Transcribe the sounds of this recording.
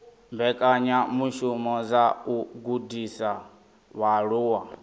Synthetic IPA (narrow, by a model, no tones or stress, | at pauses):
mbɛkʼaɲamuʃumɔd͡zauɡudisa | βaɺuːwa